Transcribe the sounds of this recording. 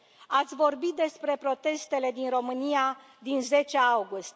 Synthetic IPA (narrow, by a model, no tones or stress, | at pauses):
at̪sʲvo̞rbit̪̚d̪e̞spɾe̞pɾo̞t̪e̞st̪e̞le̞d̪inro̞mɨnia | d̪inze̞t͡ʃeawɡust̪ʲ